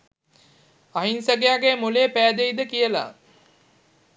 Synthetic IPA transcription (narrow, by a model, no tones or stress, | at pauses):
aɦinsəɡejaɡemuleːpæːd̪eid̪əkijəla̰